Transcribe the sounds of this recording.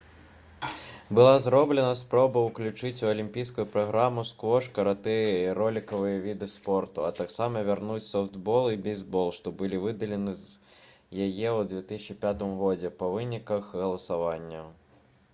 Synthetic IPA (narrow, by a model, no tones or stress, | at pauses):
bɨlˠazɾɔblʲɛnɐspɾɔbɐwklʲut͡ʂɨt͡sʲuɐlʲimʲpʲijs̬kʊjupɾaɣɾamuskvɔʂkɐɾat̪ɛjiɾɔlʲikɐvɨjɐvʲid̪ɨspɔrt̪uɐt̪aksamɐvʲarnut͡sʲsɔfd̪bɔlˠibʲijzbɔlˠʂt̪ɔbɨlʲivɨd̪ɐlʲɛnɨz | jajɛwd̪vʲɛt̪ɨsʲt͡ʃipʲat̪ɨmɣɔd͡zʲɛpɐvɨnʲikɐxɣɐlˠɐsavanʲːɐ